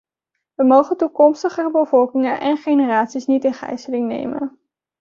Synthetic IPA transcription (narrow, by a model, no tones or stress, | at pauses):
ʋəmowχəntukɔmstəχəbəvɔlˠkɪŋənʔɛ̰nχejnəraːtsisnitɪnχɛ̰jsəlɪŋnḛjmə̰n